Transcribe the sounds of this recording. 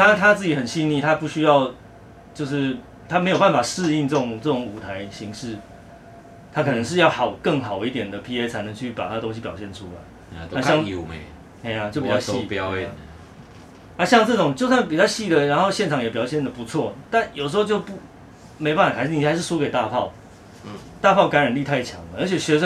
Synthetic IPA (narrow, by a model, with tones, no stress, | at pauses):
t̪a˥t̪ʰa˦˥t͡sɹ̩˥˩t͡ɕi˨˥hə˨˩nɕi˥nni˥˩t̪ʰa˦pu˥˩ɕy˥jɑ˥˧ʊ | t͡ɕjo˥˧ʊʂ̬ɻ̩˥˩ | t̪ʰa˥me˧˥ɪo˨˩pa˥˩nfa˨˩ʂɻ̩˥˧i˥˧ŋt͡sɤ˥˩ʈ͡ʂʊ˨˩ŋt͡sɤ˥˩ʈ͡ʂʊ˨˦ŋu˨˩t̪ʰa˧˦ɪɕi˧˥ŋʂɻ̩˥˩ | t̪ʰa˥kʰɤ˨˩nə˧˦ŋʂ̬̩˥˧jɑ˥˩ʊxɑ˨˩ʊkə˥˩ŋɦɑ˨˩ʊi˥˩t̪jɛ˨˩nd̪ə˩pʰi˥e˦ɪt͡sʰa˧˥ɪnɤ˧˦ŋt͡ɕʰy˥˩pa̰˨˩t̪ʰa˥də˨t̪o˥ŋɕ̬i˧pjɑ˨˩ʊɕjɛ˥˩nʈ͡ʂʰu˦la̰˧˦ɪ | a˥˧ɑ˥˧ŋu˨˩me˨˩ | e˥˩ɪa˨t͡ɕjo˥˩ʊpi˨˩t͡ɕɑ˥˧ɕi˥˩˥ | na˥ɕjɑ˥˧ŋt͡sɤ˥˩ʈ͡ʂʊ˨˩ŋt͡ɕjo˥˧ʊs̬wa˥˩np̬i˨˩t͡ɕa˥˧ɕi˥˩d̪ə˨ɻa˧˦nxo˥˧ʊɕjɛ˥˩nʈ͡ʂʰɑ˨˥ŋjɛ˨˩pjɑ˨˩ʊɕjɛ˥˩nd̪ə˩pu˧˦t͡sʰwɔ˥˨˩t̪a˥˨njo˨˩ʊʂ̩˧xo˥˧t͡ɕjo˥˧ʊpu˥˩ | me˧˥o˧pa˥˩fa˨˩a˧˥˧ni˧˨˩xa˧ɪʂ̬̩˥˩ʂu˥ke˨˩ɪt̪a˥˧pʰɑ˥˨ʊ | t̪a˥˧pʰɑ˥˩ʊka˧˦nɻa˨˩nli˥˧t̪ʰa˥˩ɪt͡ɕʰjɑ̰˧˦ŋə˦ə˧˦˥t͡ɕʰjɛ˨˩ɕɥɛ˧˥ʂə˥